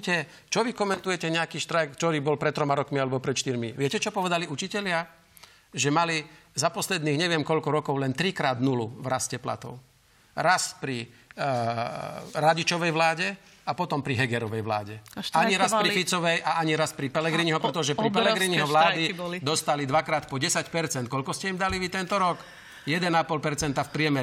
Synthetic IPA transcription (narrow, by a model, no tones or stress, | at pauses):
cɛ | t͡ʃɔʋikɔmɛnt̪ujɛcɛɲɛakiːʃt̪ɾajkt͡ʃɔɾiːbɔlpɾɛt̪t̪ːɾɔmaɾɔkmialɛbɔpɾɛt̪ʃt̪iɾmiʋɪɛcɛt͡ʃɔpɔʋɛd̪aliut͡ʃicɛʎɪa | ʒɛmalizapɔslɛd̪niːɣɲɛʋɛmkɔʎkɔɾɔkɔʊlɛnt̪ɾikɾaːd̪nuluvɾascɛpla̰t̪ɔ̰ʊ | ɾaspɾi | ɾaɟit͡ʃɔʋɛjʋlaːɟɛ | apɔt̪ɔmpɾiɦɛɡɛɾɔʋɛjʋla̰ːɟɛaɲiɾaspɾɾifit͡sɔʋɛjʔaʔaɲiɾaspɾipɛlɛɡɾiːɲiɦɔpɾɛt̪ɔʒɛpɾibɛlɛɡɾiniɦɔʋlaːd̪iɔlid̪ɔst̪alid̪ʋakɾaːt̪pɔɟɛsacpɛɾt͡sɛnt̪̚kɔʎkɔscɛimd̪aliʋit̪ɛnt̪ɔɾɔk | jɛd̪ɛnapɔlpɛɾt͡sɛnt̪afpɾɪɛmɛɾ